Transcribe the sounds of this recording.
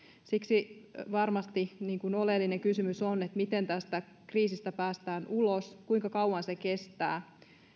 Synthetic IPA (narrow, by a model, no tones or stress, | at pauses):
siksiʋɑrmɑst̪iniːŋkunolelːineŋkysymysonet̪mit̪ent̪æst̪æ | kriːsist̪æpæːst̪æːnuloskuiŋkɑkɑwwɑnsekest̪æː